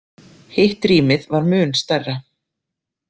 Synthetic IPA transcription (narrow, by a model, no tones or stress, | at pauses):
hɪht̪ɾiːmɪðvaɾmʏːnst̪ɛrːa